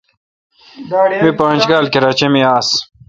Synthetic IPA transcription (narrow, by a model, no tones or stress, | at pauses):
mipãːnd͡ʑɡaːlkiɾaːt͡ɕemiaːs